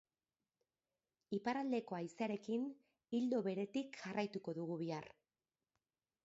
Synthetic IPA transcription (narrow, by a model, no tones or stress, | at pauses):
ipaɾald̪e̞ko̞ajsaɾe̞kin | ild̪o̞βe̞ɾe̞t̪ikʝarʔajt̪uko̞ðuɣ̞uβ̞iar